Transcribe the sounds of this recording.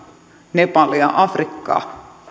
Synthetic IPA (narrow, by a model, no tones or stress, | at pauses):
nepɑljɑ̰ʔɑfrikːɑ̰ː